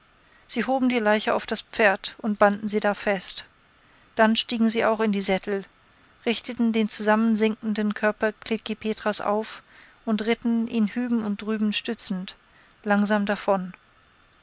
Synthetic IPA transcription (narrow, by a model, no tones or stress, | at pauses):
z̥iːɦoːbm̩diːlaɪçəa̰ʊfd̥asp͡feːɐtʊnt̚b̥andn̩ziːdaːfɛst | d̥anʃtiːɡŋ̩ziːaʊxɪndiːzɛtʰl̩ | ʁɪçtətn̩deːnt͡suzamənzɪŋkn̩dənkʰœɐpɐkʰlɪkipʰeːtʁ̥asʔa̰ʊf | ʔʊntʁɪtn̩ʔiːnhyːbm̩ʊnt̚d̥ʁyːbm̩ʃtʏt͡sn̩t | laŋzaːmdafɔn